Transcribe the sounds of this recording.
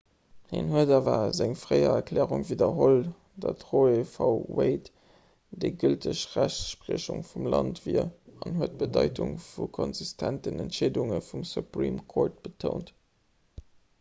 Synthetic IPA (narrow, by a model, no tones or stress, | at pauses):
hḭnɦuədɑːvɐzæŋfʁɜɪɐ̰ɐkʰlɛːʁuŋviːdɐɦol | dɑtʁoefɑʊweɪt | d̥eɡyltʰəɕʁæɕʃpʁiəɕuŋfumlɑntv̥iːɐɑnɦuət̚b̥ədɑɪtʰʊŋfukʰonzistʰæntənæntʃeːduŋəfumsupʁḭːmkʰoːɹt̚b̥ətʰoʊnt